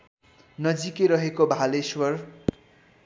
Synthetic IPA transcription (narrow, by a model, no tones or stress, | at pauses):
nʌd͡zikeɾʌɦekobʱaleswʌr